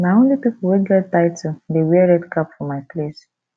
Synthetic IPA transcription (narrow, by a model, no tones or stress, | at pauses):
naõnlipipul̩weɡɛt̚taɪtʰudewɛɹɛdkapfɔmaɪples